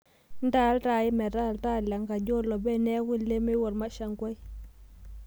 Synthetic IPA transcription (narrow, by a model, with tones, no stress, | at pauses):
nda˨˦lta˨ɪ˦mɛ˨ta˦˨lta˦˨la˨ŋɡa˨d͡ʒo˦lɔ˨bɛ˦nɛ˦kʊ˦le˦me˦wɔ˨rma˦ʃa˨ŋɡwa˦j